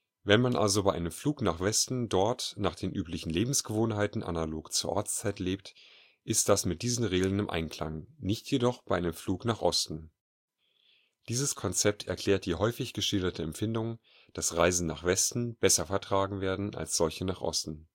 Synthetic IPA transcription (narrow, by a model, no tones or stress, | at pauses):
vɛnmanʔa̰lzobaɪʔaɪnəmfluːknaːχv̥ɛstn̩dɔɐtnaːχd̥eːnʔyːplɪçn̩leːbm̩sɡ̥əvoːnɦaɪtn̩ʔa̰naloːkt͡suːɐʔɔɐt͡st͡saɪtleːp̚t | ʔɪstd̥asmɪt̚d̥iːzn̩ʁeːɡl̩ənɪmʔa̰ɪnkʰl̥a̰ŋnɪçtʰjedɔχb̥aɪʔaɪnəmfluːknaːχʔɔstn̩ | d̥iːzəskʰɔnt͡sɛp̚tʰɛ̰ɐkl̥ɛːɐt̚d̥iːɦɔʏfɪçɡ̥əʃɪldɐtʰəɛmfɪndʊŋ | d̥asʁaɪzn̩na̰ːχv̥ɛstn̩b̥ɛsɐfɛɐtʁ̥aːɡŋ̩veːɐdn̩a̰lsz̥ɔlçənaːχʔɔ̰stn̩